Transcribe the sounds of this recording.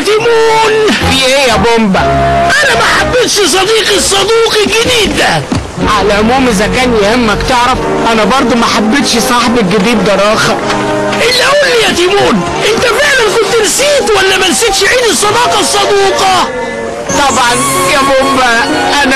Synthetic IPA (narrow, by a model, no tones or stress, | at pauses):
t̪imuːniʔejæbombæʔænæmaħabːɪt̪ʃs̬ˤɑd̪iːqisˤːɑd̪iːqiɡɪd̪iːd̪æ | ʕalæʕʊmuːmʔɪzækæːnijhɪmːækt̪ɪʕɾɑf | ʔænæbɑɾˤd̪ˤumaħabːɪt̪ʃsˤɑħbiɡɪd̪iːd̪ːɑɾˤɑːxæ | ʔɪlːæʔuːlːijæt̪imuːn | ʔɪnt̪æflaʕlamkʊnt̪nsiːt̪wælːæmænsit̪ʃʕiːd̪isˤːɑd̪ɑːqɑsˤːɑd̪iːqɑ | t̪ˤɑbʕɑnjæbombæʔæn